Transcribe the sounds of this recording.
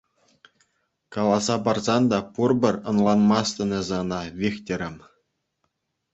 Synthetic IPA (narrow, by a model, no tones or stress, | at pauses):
kɑlˠɑzɑbɑrzɑnd̪ɑpurbʲɘ̆rʲɤ̆nlˠɑnmɑst̪ʲɤ̆nʲĕzɑnɑʋʲexʲtʲɘ̆ɾʲɘ̆m